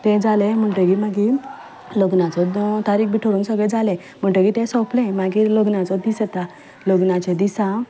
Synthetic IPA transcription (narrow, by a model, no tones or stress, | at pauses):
t̪ɛ̃d͡zalem̤əɳʈəkimaɡi | loɡnat͡sɔt̪aɾiːkbiʈʰoɽũːŋksəɡɭed͡zale | m̤əɳʈəkit̪ẽsɔplẽmaɡiloɡnat͡sɔd̪isət̪a | loɡnat͡ɕed̪isã